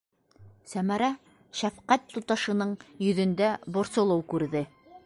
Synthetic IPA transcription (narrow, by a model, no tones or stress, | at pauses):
sæmæɾæ | ʃæfqæt̪ːut̪ɑʃɤ̆nɤɴjɵ̆ðɵ̆nd̪æbŏɾsɤ̆lˠɤwkʉɾðɘ